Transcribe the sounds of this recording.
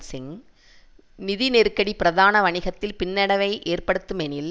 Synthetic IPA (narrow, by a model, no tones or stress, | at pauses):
sɪŋ | nɪðineɾkɐɽipɪɾɐðaːnɐʋɐɳɪɣɐt̪ːɪlpɪnːɐɽɐʋɐɪʔeːrpɐɽɯt̪ːɯmɛnɪl